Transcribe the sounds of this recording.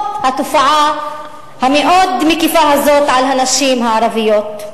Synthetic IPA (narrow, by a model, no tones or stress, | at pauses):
hat̪ofaʕa | hameʔod̪mikifaɦazot̪ʕalɦanaʃimɦaʕaɾavijot̪